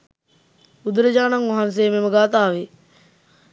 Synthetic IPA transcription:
ud̪uɾəd͡ʒaːnɐŋʋɐɦans̬eːmeməɡaːt̪aːʋe

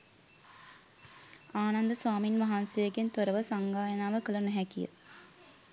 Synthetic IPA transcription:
aːnand̪əswaːminʋaɦansejəɡent̪oɾəʋəsaŋɡaːjɐnaːʋəkələnuɦɛkijə̰

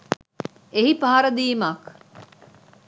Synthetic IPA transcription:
eɦipɐɦɐɾɐd̪iːmaːk

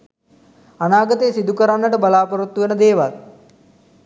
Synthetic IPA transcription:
anaːɡət̪eːsid̪ukəɾanːəʈəbalaːpoɾut̪ːuʋenəd̪eːʋa̰l

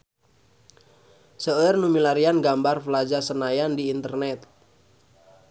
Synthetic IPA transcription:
səərnumilaɾianɡambarfəlad͡ʒasənajandiːnt̪ərnɛt̪̚

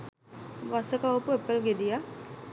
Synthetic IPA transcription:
ʋasəkaopuepːəlɡedija

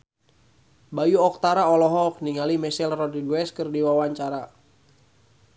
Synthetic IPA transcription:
bajuɔk̚t̪aɾaɔlɔɦɔk̚niŋalimɛsilrɔdiɡwɛskɨrdiwawaɲt͡ʃaɾa

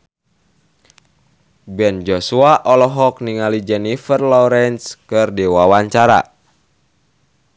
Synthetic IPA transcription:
bɛnd͡ʒɔsuaʔɔlɔɦɔk̚niŋalid͡ʒɛnifərlɔɾɛnskɨrdiwawaɲt͡ʃaɾa̰

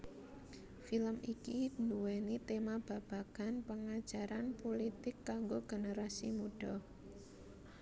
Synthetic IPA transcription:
filəmikinuwenit̪emab̥a̤b̥a̤kanpəŋad̥ʒ̥aɾanpolit̪ɪkːaŋɡoɡ̥ənəɾasimuɖ̥ɔ

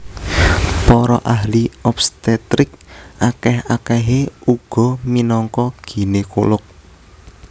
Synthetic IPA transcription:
pɔɾɔʔaɦliɔpst̪ɛt̪ɾɪk̚ʔakɛhakɛɦeuɡ̥ɔ̤minɔŋkɔɡ̥i̤neko̰lʊk̚

